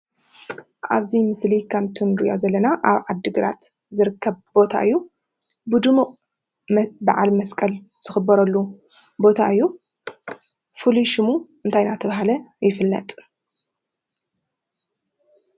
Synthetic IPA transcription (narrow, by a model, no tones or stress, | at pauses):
ʔa̰βzimɨslikʰaβt̪ʰɨnɾɨjo̰zɐlːɐnaʔaβʕad̪ːɨɡɨɾa̰t̪ | zɨɾɨkʰːɐβbo̞t̪ʰa̰ʔɨjːu | bɨd̪ɨmuqʼ | bɨʕalmɐskʼɐl | z̥ɨxɨbːɐɾɐlːu | bo̞t̪ʰa̰ɨjːu | fuliʃɨmuʔɨnt̪ʰajnat̪ʰɐβaɦalɐjɪfɨlːɐ̰t̪ʼ